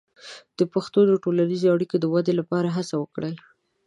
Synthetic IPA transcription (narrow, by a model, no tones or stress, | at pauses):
d̪̥əpaxt̪od̪əʈolanizeaɽikod̪əwad̪elapɑɾaɦasawəkɽa